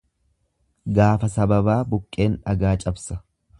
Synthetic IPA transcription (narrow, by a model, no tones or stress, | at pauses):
ɡaːfɐsɐbɐbaːbʊkʼːe̞ːnᶑɐɡaːt͡ʃʼɐbsɐ̥